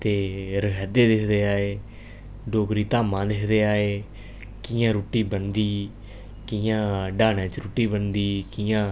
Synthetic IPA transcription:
t̪eːɾəɦɛːd̪eːd̪ɪkʰd̪eːaːeː | ɖoːkɾiːt̪aːmãːd̪ɪkʰd̪eːaːeː | kɪjãːɾuːʈiːbənd̪iː | kɪjãːɖaːnɛ̃ːt͡ʃɾuːʈiːbənd̪iːkɪjãː

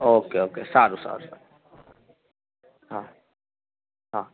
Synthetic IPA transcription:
oːkeoːkḛsaːɾusa̰ːɾsa̰ | ɦã | ɦãː

